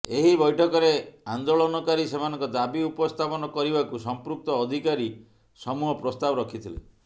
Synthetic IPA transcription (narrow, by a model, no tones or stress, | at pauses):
eɦibɔjʈʰɔkɔɾeand̪oɭɔnɔkaɾisemanɔŋkɔd̪abiupɔst̪ʰapɔnɔkɔɾibakusɔmpɾuk̚t̪ɔːd̪ʱikaɾi | sɔmuɦɔpɾɔst̪abɔɾɔkʰit̪ʰilḛ